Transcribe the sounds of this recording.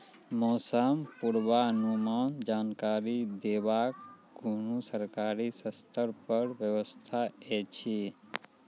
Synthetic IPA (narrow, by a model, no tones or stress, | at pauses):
mɔːsəmpuɾʋaənumaːnd͡ʒaːnkaːɾid̪eːʋaːk | ɡʱunusəɾkaːɾisəst̪ʰəɾpəɾʋjəʋəst̪ʰaet͡ʃʰi